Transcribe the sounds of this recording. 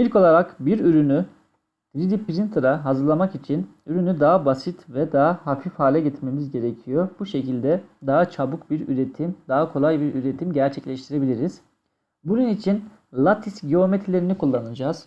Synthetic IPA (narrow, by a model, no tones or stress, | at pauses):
ilʲco̞lˠaɾakbiɾyɾyny | t̪ɾid̪ipɾint̪ʰɾaɦazɯɾlˠamakit͡ʃʰinyɾynyd̪aɦabasit̪vɛd̪aɦahafifhaːlʲɛɟɛt̪me̞mizɟe̞ɾecʰijobuʃe̞cilʲd̪ɛd̪aɦat͡ʃʰabukbiɾyɾet̪ʰimd̪aɦakʰo̞lˠajbiɾyɾet̪ʰimɟæɾt͡ʃʰɛclʲɛʃt̪ʰiɾe̞bilʲiɾiz̥ | bununit͡ʃʰin | lˠat̪ʰisɟeo̞met̪ʰilʲe̞ɾinikʰulˠːanɯd͡ʒaːz̥